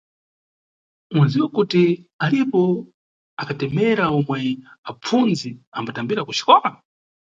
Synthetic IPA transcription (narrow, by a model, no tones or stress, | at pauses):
uaziwakutialipɔ | akʰatɛmɛɾaɔmwɛap͡funziambatambiɾaku̥t͡ʃi̥kɔma